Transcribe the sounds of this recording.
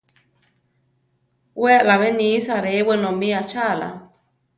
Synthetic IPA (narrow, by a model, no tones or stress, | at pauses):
weʔlaβenisaɾewenomiat͡ʃala̰